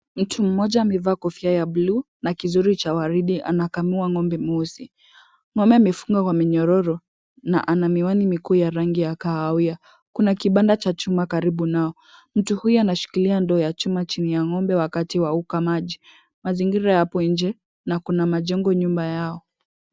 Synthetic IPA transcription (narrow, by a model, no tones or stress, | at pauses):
m̩tʰum̩mɔʄaːmɛvaːkɔfiajablu | nakizuɾit͡ʃawaɾiɗiʔa̰nakamuaŋɔmbɛmusi | ŋɔmbɛamɛfuŋɡakwamiɲɔɾɔɾɔ | na̰ʔanamiwanimikuːjaɾaŋɡijakaawia | kunakiɓandat͡ʃat͡ʃumakaɾiɓunaɔ | m̩tuhujuanaʃi̥kiliandɔɔjat͡ʃumat͡ʃinijaŋɔmbɛwakatiwaukamaʄi | maziŋɡiɾajapɔind͡ʒɛ | nakunamaʄɛŋɡɔɲumbajaɔ